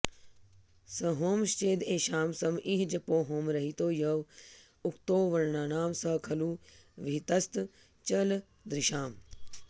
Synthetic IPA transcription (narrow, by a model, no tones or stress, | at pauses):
sɐɦoːmʃt͡ʃeːd̪eːʃaːmsɐmʔiɦd͡ʒɐpoːɦoːmɾɐɦit̪oːjɐʋ | ukt̪oːʋɐɾɳaːnaːmsɐkʰɐluːʋit̪ɐst̪ | t͡ʃɐl | d̪ɾɪʃaːm